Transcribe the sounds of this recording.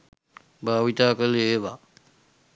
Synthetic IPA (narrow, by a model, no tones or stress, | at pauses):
bʱaːʋit̪aːkəleeʋa